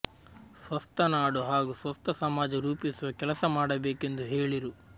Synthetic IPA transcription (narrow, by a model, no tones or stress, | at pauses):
sʋɐst̪ʰɐnaːɽuɦaːɡusʋɐst̪ʰɐsɐmaːd͡ʒɐɾuːpisuʋɐkɛlɐsɐmaːɽɐbeːke̞nd̪uɦeːɭiɾu